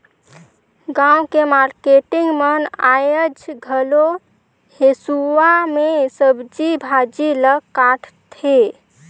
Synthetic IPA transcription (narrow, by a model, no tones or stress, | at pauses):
ɡãukemaɾkeʈɪ̃ŋɡmənajəd͡ʒɡʱəlo | hesuwamesəbd͡ʒibʱad͡ʒiləkːaʈʰt̪ʰe